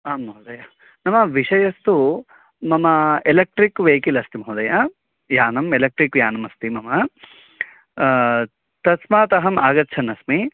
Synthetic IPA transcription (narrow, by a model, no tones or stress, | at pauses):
aːmmɐɦud̪ɐjɐ | nɐmɐʋiʂɐjɐst̪u | mɐmɐelɐk̚ʈɾikʋeːkilɐst̪imɐɦud̪ɐjɐ | jaːnɐmelɐk̚ʈɾikjaːnɐmɐst̪imɐmɐ | t̪ɐsmaːt̪ɐɦɐmaːɡɐt̪t͡ʃʰɐnɐsmi